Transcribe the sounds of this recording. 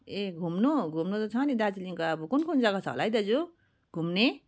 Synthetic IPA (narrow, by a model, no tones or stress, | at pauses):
eɡʱumnoɡʱumnot̪ʌt͡sʰʌnid̪at͡siliŋkaːbukunkʰond͡zaɡat͡sʰʌ̰lajd̪ʌd͡zu | ɡʱumne